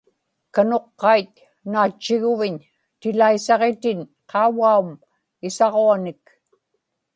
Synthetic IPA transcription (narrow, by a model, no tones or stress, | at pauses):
kano̞qːɑit̪ | naːt͡ʃːɪɣʊvɪɲ | t̪ɪlaisɑʁet̪ɪnqʰɑwaum | ɪsɑʁoanɪk